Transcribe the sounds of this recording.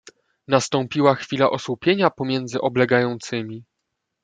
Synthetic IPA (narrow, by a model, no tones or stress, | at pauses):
nast̪ɔmpʲiwaxfʲilaʔɔswupʲjeɲapɔmʲjɛnd̪zɘʔɔblɛɡajɔnt̪sɘmʲi